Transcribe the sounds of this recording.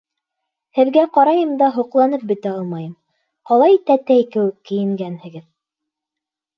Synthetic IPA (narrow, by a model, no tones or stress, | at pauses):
hɘ̆ðɡæqɑɾɑjɤmd̪ɑɦŏqlˠɑnɤp̚bɘ̆t̪æɑlˠmɑjɤm | qɑlˠɑjit̪æt̪æjkɘ̆wɘkːɘ̆jɘ̆ŋɡænhɘ̆ɡɘð